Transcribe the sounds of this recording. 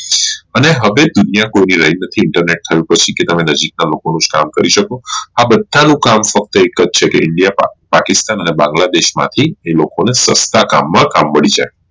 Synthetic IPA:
əneɦəʋed̪unijakoiniɾəjnət̪ʰiɪɳʈəɾneʈ̚t̪ʰəjũpət͡ʃʰiket̪əmenəd͡ʒik̚nalokonũd͡ʒka̰mkəɾiʃəkoabəd̪ʱːanũkamfək̚t̪əekəd͡ʒt͡ʃʰekeʔɪɳɖijapakɪst̪anənebãŋɡlad̪eʃma̰t̪ʰielokonesəst̪aka̰mːãkamːəɭid͡ʒa̰e

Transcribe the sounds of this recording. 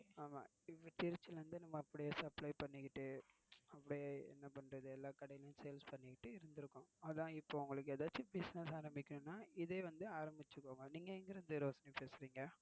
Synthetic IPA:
aːma̰ː | ɪʋːɐt̪ɪɾɯt͡ʃːɪlʋɐnd̪ɯnɐmːɐɐpːɐɽɪjeːsɐplɐɪpɐɳːɪkːɪʈːɯ | ɐpːɐɽɪjeːɛ̰nːɐpɐɳːɾɐðɯɛlːaːkɐɽɐjɪljʊ̃sejlspɐɳːɪkːɪʈːɯɪɾɯnd̪ɪɾɯkːʊ̃ɐðãːɪpːoːʊŋɡɐɭɯk̬ːeːðaːt͡ʃːɯbɪsnɛsaːɾɐmbɪkʲːɐnʊ̃nːaːɪðeːʋɐnd̪ɯaːɾɐmbɪt͡ʃːɯkːoːŋɡɐniːŋɡɐɪŋɡɪɾɐnd̪ɯɾoːsɐnipeːsɪɾiːŋɡɐ

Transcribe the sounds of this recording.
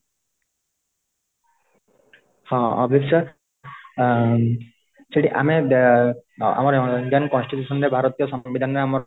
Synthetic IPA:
hɔ̃ɔ̰bʱisɔ | seʈiʔa̰me | a̰maɾind̪jankɔnsʈit̪usʰɔnɾɛbʱaɾɔt̪ijɔsɔbid̪ʱanɾɛamɔ

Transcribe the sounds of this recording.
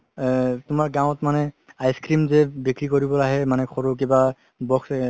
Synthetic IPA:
tʊmaɹɡãw̃tmanɛ | ajskɹimzɛbikɹikoɹibɔlaɦɛmanɛxʰɔɹok̬iba | bɔks

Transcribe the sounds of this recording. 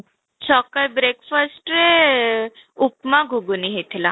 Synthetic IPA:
t͡ʃʰɔkəjbɾekfəsʈɾe | upmãɡʱuɡuniɦet̪ʰla

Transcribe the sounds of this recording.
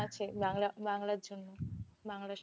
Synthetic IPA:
at͡ɕʰebaŋlabaŋlaɾd͡ʑonːobaŋla

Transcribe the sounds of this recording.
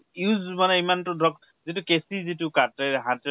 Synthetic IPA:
juzmanɛimantʊdʱɔk | zitukesizitukatɛɦãtɛ

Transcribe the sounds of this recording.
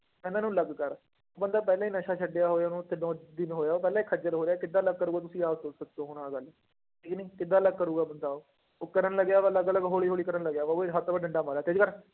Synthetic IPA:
pɛ̃ːnãːnũːləɡkəɾ | oːbənd̪aːpɛːlãːiːnəʃaːt͡ʃʰəɖɪjaːɦoːjaːnũːt̪ʰːeːnɔ̃ːd̪ɪnɦoːjaːoːpɛːlãːiːkʰəd͡ʒəlɦoːɾjaːkɪd̪ːãːləɡ̚kəɾuːɡaːt̪̬ʊsĩːaːt̪ʊsək̚d̪õːɦoːnaːɡəl | ʈʰiːkːnĩːkɪd̪ːãːələɡ̚kəɾuːɡaːbənd̪aːoː | okəɾənləɡjaːʋləɡələɡɦoːɭiːɦoːɽiːkəɾənləɡjaːʋoɦət̪ːbaɖəɳɖaːmaːlaːt̪ed͡ʒkəɾ

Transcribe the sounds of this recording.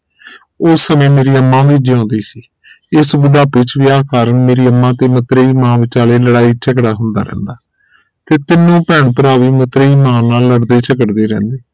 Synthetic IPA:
ʊsːəmẽːmeːɾiːəmːãːd̪iːd͡ʒeːɔ̃ːnd̪iːsiː | ɪsbʊɖaːpɪt͡ʃʋɪaːkaːɾəɳmeːɾiːəmːãːt̪eːmət̪ɾeːiːmãːʋɪt͡ʃaːleːləɽaːiːt͡ʃʰəkɽaːɦʊnd̪a̰ːɾɛ̰̃ːnd̪aː | t̪eːt̪ɪnːõːpɛːɳpəɾaːʋiːmət̪ɾeːiːmãːnaːlːəɽd̪eːt͡ʃəkəʈd̪eːɾɛ̰̃ːnd̪eː

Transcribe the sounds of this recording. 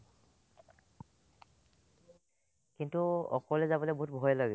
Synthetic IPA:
kintuɔ̰kɔlɛzabɔleboɦutbʱɔjɔlaɡɛ

